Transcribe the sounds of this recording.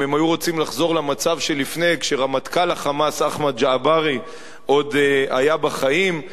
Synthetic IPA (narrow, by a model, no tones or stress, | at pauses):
emajuʁot͡simlaχzo̞ʁlamat͡savʃe̞lifne̞jkʃeʁamat̪kalaχamasaχmad̪̚d͡ʒaːbaʁi | ʔo̞d̪a̰jabaχaim